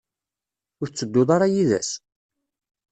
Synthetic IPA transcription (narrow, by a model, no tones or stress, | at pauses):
ʊɾt͡sːəd̪ːʊðˤɑɾˤɑjiðæ̰s